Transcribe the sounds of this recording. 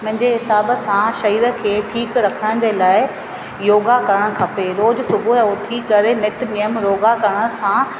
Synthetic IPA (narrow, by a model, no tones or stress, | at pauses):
mʊ̃ɦɪ̃ɲd͡ʑeɦɪsaːbəsãʃɐiːɾə̆kʰeːʈʰiːkɾɐkʰəɽ̃d͡ʑelaːɪ | joːɡakɐɾəɽ̃kʰɐpeɾoːd͡ʑsʊbʱuɦot̪ʰikɐɾenɪt̪nijəmɾoːɡakɐɾɽ̃ə̃sã